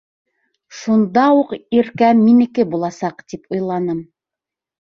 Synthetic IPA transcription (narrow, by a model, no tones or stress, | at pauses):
ʃund̪ɑuqiɾkæmːinɘ̆kɘbulˠɑsɑqt̪ipŏjlˠɑnɤm